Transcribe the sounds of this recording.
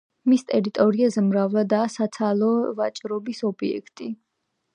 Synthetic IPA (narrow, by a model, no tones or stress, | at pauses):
mist̪ʼɛɾit̪ʼɔɾiazɛmɾavlˠad̪aːsat̪sʰalˠɔvat͡ʃʼɾɔbisɔbiɛ̰kʰt̪ʼi